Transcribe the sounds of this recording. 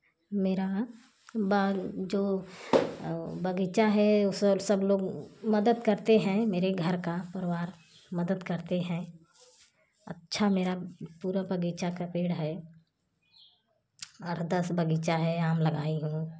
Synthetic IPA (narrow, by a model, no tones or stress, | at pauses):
meːɾa | bad͡ʒoː | bɐɡiːt͡ʃaɦɛossəbloːɡmɐd̪əd̪kɐɾt̪eɦɛ̃meːɾeɡʱɐɾkapɐɾɪʋaːɾ | mɐd̪əd̪kɐɾt̪eɦɛ̃ | ɐtːʃʰameːɾapuːɾabɐɡiːt͡ʃakapeːɽɦɛ | ɔːɾd̪ɐsbɐɡiːt͡ʃaɦɛaːmlɐɡaːiɦũː